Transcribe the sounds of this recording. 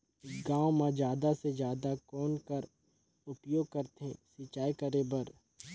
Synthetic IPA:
ɡãːwmãd͡ʒjaːd̪ased͡ʒjaːd̪akɔːnkəɾ | ʊpjoːɡ̚kɐɾt̪ɦẽsɪt͡ʃaːikəɾebɐɾ

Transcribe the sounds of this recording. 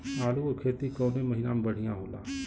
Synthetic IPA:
maːluoɾkʰeːt̪ikɔːnemɐɦinamebəɽ̤ijãɦoːla̰ː

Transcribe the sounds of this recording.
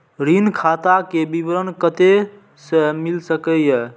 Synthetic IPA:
ɾinkʰat̪akebibəɾənkət̪e | səmilsəkəjɛ

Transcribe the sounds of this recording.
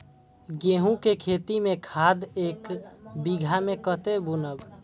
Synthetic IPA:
ɡeɦũkekʰet̪imẽkʰad̪eːkbiɡʱamekət̪ebunəb

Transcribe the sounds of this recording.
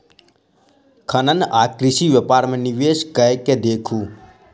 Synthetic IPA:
kʰənənaːkɾɪʃiʋjəpaːɾmẽniʋeːskəjked̪eːkʰuː

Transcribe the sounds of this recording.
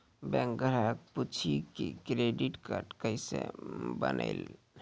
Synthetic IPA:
bɛ̃ŋk̚ɡʱəɾak̚put͡ʃʰikikɾeɖiʈkaɾʈkəɪsḛbə̰nə̰ɪl

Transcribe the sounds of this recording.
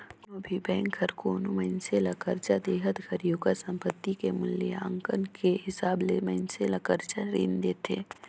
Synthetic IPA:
ɐbʱibɛ̃ːŋkʰəɾkoːnuməɪnselɐkəɾt͡ʃad̪eːɦət̪ɡʱəɾjoːɡasə̃mpət̪ːikemʊljeã̰ŋkənkeɦɪsaːbleməɪnselɐkəɾt͡ʃaɾḭːnd̪eːt̪ʰeː

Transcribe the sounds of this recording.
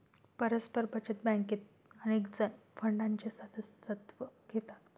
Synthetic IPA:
pəɾəspəɾbʱət͡ɕət̪̚bãŋket̪ | ənekd͡zənfəɳɖaɲt͡ɕesəd̪əssət̪ʋəɡ̥ʱet̪at̪

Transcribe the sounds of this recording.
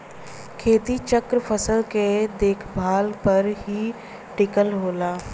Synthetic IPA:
kʰeːt̪it͡ʃəkɾpʰəsəlked̪eːkʰbʱaːlpəɾɦi | ʈɪkəlɦoːlaː

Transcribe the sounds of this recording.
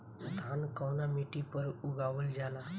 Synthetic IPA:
d̪ʱaːnkəwnameʈipəɾʊɡaːʋəld͡ʒaːla

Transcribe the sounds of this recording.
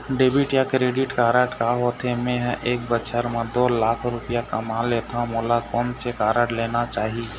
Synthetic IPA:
ɖeːbɪʈjakɾeːɖɪʈkaːɾəʈkaɦoːt̪ʰemẽɦʔeːk̚bəʃʰəɾmãd̪oːlaːkʰɾʊpɪjakəmaleːt̪ʰamoːlakɔːnsekaːɾəʈleːnat͡ʃaːɦie

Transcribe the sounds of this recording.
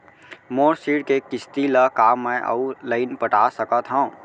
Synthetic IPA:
moːɾsiːɽkekɪst̪ilakaːmːɛ̃ʔə̰uləɪnpəʈaːsəkət̪ɦã

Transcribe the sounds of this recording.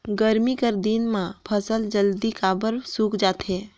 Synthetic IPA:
ɡəɾmikəɾd̪inmãpʰəsəld͡ʒəld̪ikaːbəɾsuːkd͡ʒaːt̪ɦeː

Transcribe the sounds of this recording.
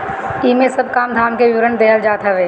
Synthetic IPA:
iːmẽsəbkaːmd̪ʱaːmkeʋɪʋɾənd̪ɛɦəld͡ʒaːt̪ɦəʋeː

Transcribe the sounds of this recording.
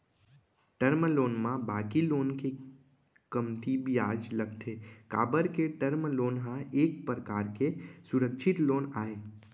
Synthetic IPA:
ʈəɾmlonmãbakilonke | kəmt̪ibʱiad͡ʒləɡt̪ʰeka̰ːbəɾkeʈəɾmlonɦãek̚pɾəkaɾkesuɾəkʃʰɪt̪lonaːe

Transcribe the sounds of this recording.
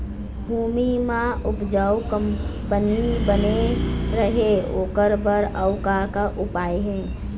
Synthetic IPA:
bʱuːmimãʔʊpd͡ʒaːwkəmpənibəneɾəɦeoːkəɾbəɾəʊkakaʔʊpaːeɦɛ̃ː

